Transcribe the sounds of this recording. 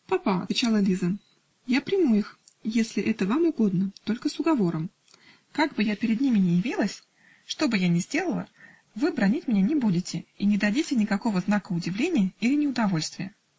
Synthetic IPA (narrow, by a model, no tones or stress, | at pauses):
pɐpaɐ̰t̪vʲɪt͡ɕalˠəlʲizə | japɾʲɪmuix | jesʲlʲɪʔɛt̪əvamʊɡo̞d̪nət̪o̞lʲkəsʊɡɐvo̞ɾəm | kaɡ̚bɨjapʲɪɾʲɪd̪nʲimʲɪnʲɪjɪvʲilˠəsʲ | ʂt̪o̞bɨjanʲɪzʲdʲe̞lˠəlˠə̰ | vɨbɾɐnʲitʲmʲɪnʲenʲɪbudʲɪtʲɪinʲɪd̪ɐdʲitʲɪnʲɪkɐko̞vəznakəʊdʲɪvlʲenʲɪjəilʲɪnʲɪʊd̪ɐvo̞lʲst̪vʲɪjə